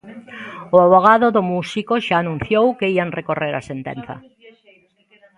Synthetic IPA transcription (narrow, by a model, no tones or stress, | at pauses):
oaβ̞oɣ̞aðoðomusikoʃaːnũn̟θjowkeiaŋrekoreɾasent̪ḛn̟θɐ̰